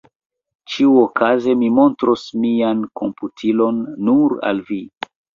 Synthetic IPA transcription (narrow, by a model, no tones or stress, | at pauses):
t͡ʃiuokʰaze̞mimo̞ntɾosmiankʰo̞mputʰilo̞nːuɾa̰lvi